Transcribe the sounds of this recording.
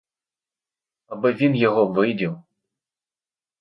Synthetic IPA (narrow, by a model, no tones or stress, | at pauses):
ɐbɨvʲinjɐɣɔvɨjdʲiw